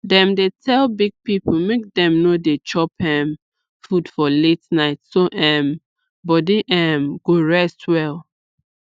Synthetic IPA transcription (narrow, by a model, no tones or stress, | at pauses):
dɛ̃mdetʰɛlbiɡ̚piplmek̚dɛ̃mnodet͡ʃɔpɛm | fud̥fɔletnaɪtsoʔɛ̃m | bɔdiʔɛmɡ̥oɹɛstʰwɛlˠ